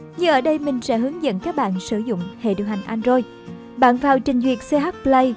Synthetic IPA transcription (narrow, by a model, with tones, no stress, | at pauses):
ɲɨ˧ŋʔəː˧˩ɗə˧jmï˨˩ŋ̟sɛ̰˧˥ɦɨ˨˦əŋzə̰˧˨nkaː˦˥k̚ɓa̰ː˧˨nsɨ˧˩zʊ̰˧˨ŋ͡mhḛ˧˨ɗḭ˨əwɦa˨˩jŋ̟ʔa˧nzo˧j | ɓa̰ː˧˨nvaː˨˩wt͡ɕï˨˩ŋ̟zwi˨˩ət̚se˧ɦa˦˥t̚plə˧j